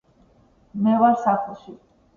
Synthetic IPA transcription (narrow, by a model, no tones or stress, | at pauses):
mɛvaɾsaχlˠʃi